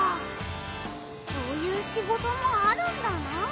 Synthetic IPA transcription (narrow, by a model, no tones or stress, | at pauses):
so̞ːjɯːɕiɡo̞t̪o̞mo̞aɾɯ̟̃nd̪ana